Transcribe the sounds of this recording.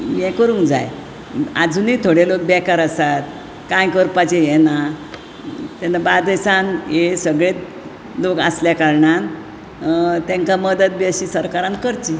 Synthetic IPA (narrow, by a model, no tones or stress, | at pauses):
mɛ̃kəɾũːŋkd͡za̰j | a̰d͡zuniːt̪ʰoɽelok̚bɛkaɾasat̪ | kãjkəɾpat͡ɕejɛna | t̪ɛnabad̪esanesəɡɭet̪ | lokasljakaɾɳan | t̪ɛ̃ŋkaməd̪ət̪̚biəɕisəɾkaɾãnkəɾt͡ɕi